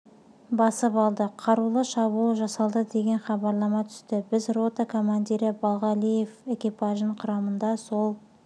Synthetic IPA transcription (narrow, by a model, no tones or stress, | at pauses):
bɑsəpɑlˠd̪əqʰɑɾulˠəʃɑβulˠʒɑsɑlˠd̪əd̪e̞ɡʲe̞nχɑbɑɾlˠɑmɑt̪ʰʏ̥st̪ɪbɪzro̞t̪akʰo̞mand̪iɾɪbɑlˠʁɑlijefe̞kʲipɑʒnəɴqʰʊɾɑmənd̪ɑso̞lˠ